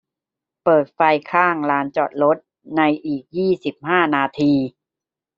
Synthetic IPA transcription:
pɤː˨˩t̪̚fa˧jkʰaː˥˩ŋlaː˦˥nt͡ɕɔː˨˩t̪̚ɾo˦˥t̪̚ | na˧jʔiː˨˩k̚jiː˥˩si˨˩p̚haː˥˩naː˧t̪ʰiː˧

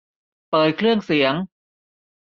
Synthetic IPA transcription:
pɤː˨˩t̪̚kʰlɯ˥˩əŋsi˩˦əŋ

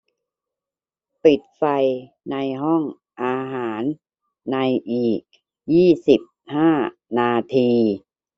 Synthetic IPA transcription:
pi˨˩t̪̚fa˧j | na˧jɦɔ˥˩ŋ | ʔaː˧ɦaː˩˦nː | a˧jʔiː˨˩k̚ | jiː˥˩si˨˩p̚haː˥˩ | naː˧t̪ʰiː˧

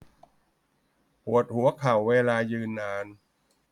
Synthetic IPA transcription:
pʰu˨˩ət̪̚hu˩˦ɐkʰa˨˩wːeː˧laː˧jɯː˧nːaː˧n

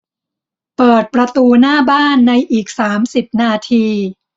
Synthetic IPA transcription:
pɤː˨˩t̪̚pɾa˧t̪uː˧naː˥˩baː˥˩nːa˧jʔiː˨˩k̚saː˩˦msi˨˩p̚naː˧t̪ʰiː˧

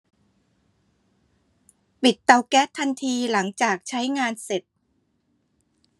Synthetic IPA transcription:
pi˨˩t̪ːa˧wkɛː˦˥t̪ʰːa˧nt̪ʰiː˧la˩˦ŋt͡ɕaː˨˩k̚t͡ɕʰa˦˥jŋaː˧nse˨˩t̪̚

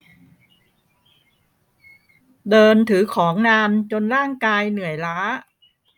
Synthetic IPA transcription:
dɤː˧nt̪ʰɯː˩˦kʰɔː˩˦ŋnaː˧nt͡ɕo˧nɾaː˥˩ŋkaː˧jnɯ˨˩əjlaː˦˥

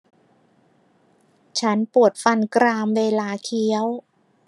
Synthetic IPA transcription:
t͡ɕʰa˦˥npu˨˩ət̪̚fa˧nkɾaː˧mweː˧laː˧kʰi˦˥əw

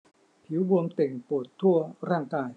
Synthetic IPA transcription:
pʰi˨˩˦wbu˧əmt̪e˨˩ŋpu˨˩t̪ʰːu˥˩ɐəɾaː˥˩ŋkaː˧j

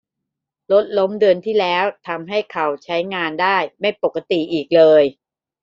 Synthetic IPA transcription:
lo˦˥t̪̚lo˦˥mdɯ˧ənt̪ʰiː˥˩lɛː˦˥wt̪ʰa˧mɦa˥˩jkʰa˨˩wt͡ɕʰa˦˥jŋaː˧ndaː˥˩jma˥˩jpo˨˩kːa˧t̪i˨˩ʔiː˨˩k̚lɤː˧j

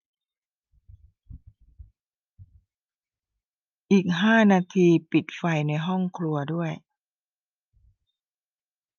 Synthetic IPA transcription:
ʔiː˨˩k̚ɦaː˥˩naː˧t̪ʰiː˧pi˨˩t̪̚fa˧jna˧jɦɔ˥˩ŋkʰlu˧ɐdu˥˩əj

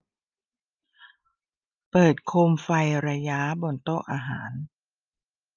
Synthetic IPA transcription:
pɤː˨˩t̪̚kʰo˧mfa˧jɾa˧ja˦˥bo˧nt̪o˥˩ʔaː˧ɦa̰ː˩˦n

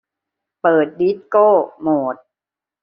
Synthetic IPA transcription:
pɤː˨˩t̪̚di˦˥t̪̚koː˥˩moː˨˩t̪̚

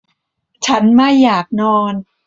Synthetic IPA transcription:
t͡ɕʰa˦˥nma˥˩jːaː˨˩k̚nɔː˧n

